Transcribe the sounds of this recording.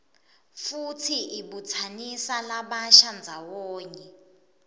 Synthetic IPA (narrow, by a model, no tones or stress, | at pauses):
futʰiiɓut͡sʰanisalaɓaʃand͡zʱawɔːɲɛ